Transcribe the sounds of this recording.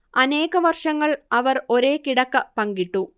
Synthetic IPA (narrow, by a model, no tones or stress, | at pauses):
ɐne̞ːɣɐʋɐrʂɐŋːɐɭɐʋɐro̞ɾe̞ːkiɽɐkːɐpɐŋɡiʈːu